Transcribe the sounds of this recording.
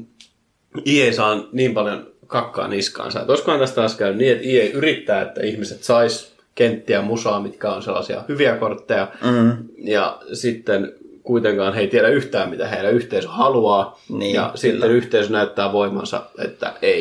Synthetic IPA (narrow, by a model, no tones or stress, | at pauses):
iːeisɑːnniːmpɑljon | kɑkːɑ̰ːniskɑ̰ːnsɑḛt̪oiskoɑnt̪æst̪ɑːskæynynniːet̪iːeiʔyrit̪ːæːḛt̪ːæ̰ihmiset̪sɑis | kent̪ːiæmusɑːmit̪kæonselːɑsiɑ̰hyʋiækort̪ːejɑ | jɑ̰sit̪ːenkuit̪eŋkɑːnheit̪ieɾæyht̪æːmmit̪æheilæyht̪eisøhɑluɑːnjɑ̰sit̪ːenyht̪eisønæyt̪ːæːʋoimɑ̰nsɑ̰ḛt̪ːæ̰ei